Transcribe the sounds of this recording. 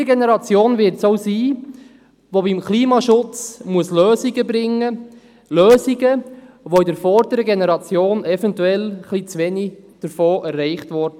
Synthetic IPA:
əɡɛnɛɾɑt͡sjoːnvɪɾtsoʊsiː | ʋobɪmkliːmɑʃʊt͡smuəsløːziɡəbɾɪŋːə | løːziɡə | ʋoidəɾfɔɾdəɾəɡɛnɛɾɑt͡sjoːnɛfɛntuɛlχlit͡sʋɛnid̥əɾfoːʔɛrːɛɪχtʋɔɾdə

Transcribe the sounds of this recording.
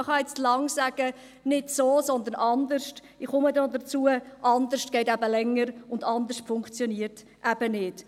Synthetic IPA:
χɑɛt͡stlɑŋsæɡ̥ə | nɪdsoːsɔnd̪ənʔɑnd̪əɾʃt | ɪχʊmədod̪ət͡suəʔɑnd̪əʃtɡ̥ɛɪtæbəlɛŋːəɾʊndɑnd̪əʃtfʊŋkt͡sjɔniəɾt | ʔæb̥ənɪt

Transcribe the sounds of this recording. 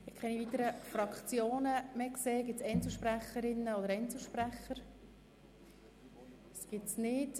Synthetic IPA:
ɪχɛnivit̪əɾəfrɑkχt͡sjoːnəmɛkseːɡɪtt͡sɛnt͡ssl̩ˠʃpɾæχəɾɪnːəɔdəɾɛnsl̩ˠʃpɾæχəɾ | sɡ̥ɪtsnɪt

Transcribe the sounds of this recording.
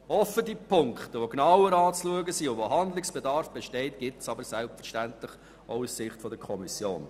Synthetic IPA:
ɔfːədipʰʊŋktəʋoɡnɑwəɾɑːt͡sluəɡəsiːʊʋoɦɑnd̪lɪksb̥edɑɾfb̥ɛʃtɛɪtɡ̥ɪtsɑbəɾsɛlpfəɾʃtæntlɪχ | ɔʊussɪχtfɔdəkʰɔmisjo̰ːn

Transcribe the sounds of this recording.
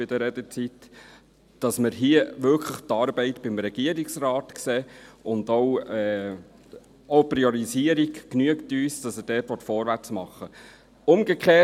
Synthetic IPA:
ɪd̥əɾɛd̪ət͡sit | d̥ɑsməɾɦiəʋʏlkʰləχtɑːɾbɛɪtb̥ɪmɾɛɡ̥iəɾiksrɑːtkseːʔʊndɔwɛː | oʊpɾiɔɾiziəɾiɡkːnyəktyːsd̥ɑsəd̥ɛːtʋɔtfɔːɾʋæt͡smɑχːə | ʊmɡəkχeː

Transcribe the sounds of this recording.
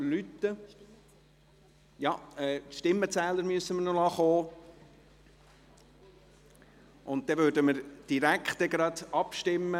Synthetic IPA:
lyt̪ːə | jɑɛːt̪ʃtɪmːət͡sæːlːəɾmyəsːəmənonɑχoː | ʊnt̚d̥̪ɛʋøːɾdəməɾd̥iɾækχt̪ɛɡɾɑd̪ɑpʃtɪmːə

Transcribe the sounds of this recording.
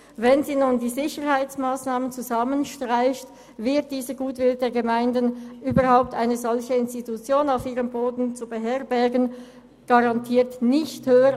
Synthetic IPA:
vɛnziːnuːndiːzɪçəʁhaɪt͡smaːsnaːmənt͡suzamənʃtʁ̥aɪçt | vɪɐt̚d̥iːzəɡuːtv̥ɪldeːɐɡəmaɪndənyːbɐʁhaʊp̚tʰʔaɪnəzɔlçəɪnstitut͡sjoːnaʊfiːʁəmboːdn̩t͡subəɦɛʁbɛɐɡən | ɡ̥ɑʁɑntʰiːɐtnɪçthøːə

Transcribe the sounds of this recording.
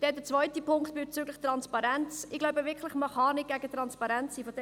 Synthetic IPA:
d̪̥ɛdət͡svœʏt̪ipʰʊŋkt̪b̥ɛt͡syːɡləχt̪rɑnspɑɾænt͡sɪɡlɔʊbəvɪkʰləχməχɑnɪɡ̥æɡət̪ɾɑnspɑɾɛnt͡siːfɔdɛ

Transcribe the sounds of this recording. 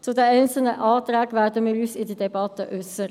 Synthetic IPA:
t͡sʊd̪ɛæɪnsl̩nəʔɑːd̪ɾɛːɡʋæːd̪əmɪːɾyːsɪd̪iːd̪ɛbɑt̪əʔʉsəɾ

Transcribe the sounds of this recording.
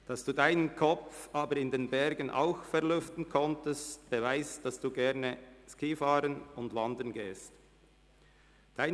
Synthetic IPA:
d̥ɑsd̥uːdaɪnənkʰɔp͡fʔaːbəɾɪndeːnbɛʁɡənʔa̰ʊxfɛʁlʏftn̩kʰɔntəstb̥əvaɪstd̥ɑsd̥uːɡɛɐnəskiːfɑːɾənʊndvɑndənɡeːst | d̥aɪ

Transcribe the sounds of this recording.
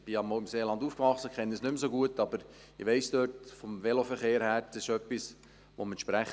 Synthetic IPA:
b̥ɪɑmoʊɪmseːlɑnd̪uːfkʋɑχsəkχɛnːəəsnʏmsoɡuətɑbəɾ | ɪʋɛɪsd̥øːtfɔmʋɛlofəɾχeːɾhæɾd̥əsɪʃœpːis | ʋomɛnʃpɾæχ

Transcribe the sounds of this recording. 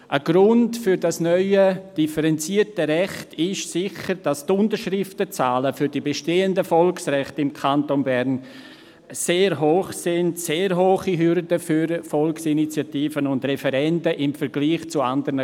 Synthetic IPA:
ʔəɡ̥ɾʊntfʏɾdasnœʏəd̥ifəɾɛnt͡siːətəɾɛχtɪʃsɪçəɾd̥astʊntəɾʃɾɪftət͡saːləfʏɾdibeʃteːəndəfɔlksrɛχtɪmkʰantonbɛɾn | seːɾɦoːχsɪntseːɾɦoːχiɦʏɾdəfyɾfɔlksinit͡sjatiːfənʊndrɛfɛɾɛntəʔɪmfəɾɡliːχt͡sʊa̰ndəɾnə

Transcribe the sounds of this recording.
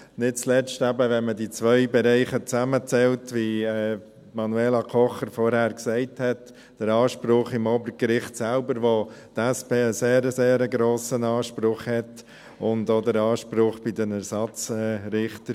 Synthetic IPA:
nɪt̚t͡slɛstæbəʋɛnmədit͡sʋœʏbɛɾɛɪχət͡sæmət͡sɛltʋiɛː | mɑnueːlɑkʰɔχəɾfɔɾhæːɾksɛɪthɛt | d̥əɾɑːʃpɾʊχɪmoːbəɾkɾɪχtsælbəɾʋotɛspeːəseːɾəseːɾəɡɾoːsənɑːʃpɾʊχhɛt | ʊndoːdəɾɑːʃpɾʊχb̥ɪdənæɾsɑt͡sɛːɾɪχtəɾ

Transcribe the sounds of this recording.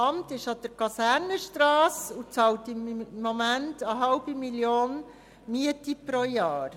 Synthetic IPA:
ɑmtɪʃɑd̥̪əɾkʰɑsæɾnəʃtɾɑːsut͡sɑltɪmːɔmæntəɦɑlb̥imiljoːn | miətipɾojɑːɾ

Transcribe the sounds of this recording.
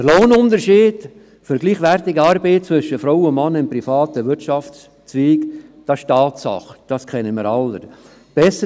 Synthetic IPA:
əloːnʊndəɾʃiːd̥ | fʏɾɡ̥liːχʋæɾtɪɡəɑɾbeɪt͡sʋʏʃəfɾoʊwʊnmɑnːəɪpɾifɑːt̪əʋɪɾɑft͡s | t͡sviːkd̥ɑsʃtɑːtsɑ̰χəd̥ɑskʰɛnəmɪːɾɑlːə | b̥ɛsə

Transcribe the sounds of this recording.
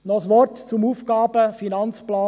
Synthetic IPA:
nɔsʋɔrtt͡sʊmuːfɡ̥ɑːb̥əfinɑnt͡splɑː

